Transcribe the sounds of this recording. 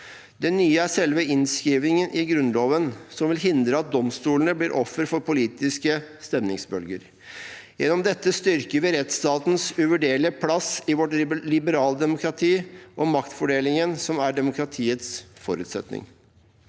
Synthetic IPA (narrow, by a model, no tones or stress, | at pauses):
d̪ɛnːyːəæʂɛlʋəɪnskɾiːʋnɪŋənɪɡɾʉnloːʋənsɔmʋɪlɦɪnd̪ɾəɑt̪̚d̪ɔmst̪uːlnəbliːɾʔɔfːəɾfɔɾpʊliːt̪ɪskəst̪ɛmnɪ̰ŋsbœlɡəɾ | jɛnɔmd̪ɛt̪ːəst̪ʏɾkəʋɪɾɛt̪st̪ɑːt̪n̩sʉʋəɖeːɭɪəpʰlɑsɪʋɔʈlɪbəɾɑːləd̪ɛmʊkɾɑt̪ʰiːʔɔmɑkt̪fɔɖeːlɪŋənsɔmæɖɛmʊkɾɑt̪ʰiːət̪sfɔɾʉ̰ːt̪sɛt̪nɪ̰ŋ